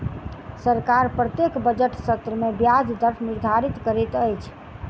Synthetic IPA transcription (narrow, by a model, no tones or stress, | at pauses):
səɾkaɾpɾət̪ekbəd͡ʒəʈsət̪ɾəmebjad͡ʒd̪əɾfʰniɾd̪ʱaɾit̪kəɾɛt̪əjt͡ʃʰ